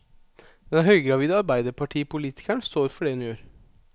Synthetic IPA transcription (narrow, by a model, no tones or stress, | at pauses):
d̪̥ɛnɦœʏɡɾɑʋiːd̪əɑɾbæɪd̪əpʰɑʈʰiːpʊliːt̪ʰɪ̥kæɳst̪oːɾfɔɖɛd̪ʉnjøːɾ